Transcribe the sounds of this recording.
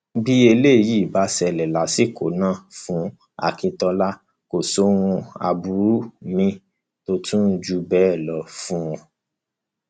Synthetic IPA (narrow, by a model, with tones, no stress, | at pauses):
ɡ͡bi˦e˧le˦˨ji˦˨ba˨˦sɛ˧lɛ˨la˨˦si˦˨ko˨˦nã˦˨fũ˨˦ | a̰˨kĩ˧tɔ˧la˦ | ko˨so˦w̃ũ˧a̰˧bu˧ɾu˦mĩ˧ | to˧tʰũ˦n̩˦d͡ʒu˧bɛ˨˦˨lɔ˨˦fũ˦ɔ̃˧